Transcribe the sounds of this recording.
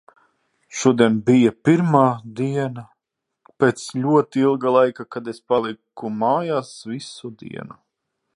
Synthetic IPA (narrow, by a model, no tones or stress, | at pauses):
ʃuɔd̪iɛnbijapiɾmaːd̪iɛna | peːt̪slʲuɔt̪iilˠɡalˠajkakad̪espalˠikumaːjaːsvisud̪ḭɛnu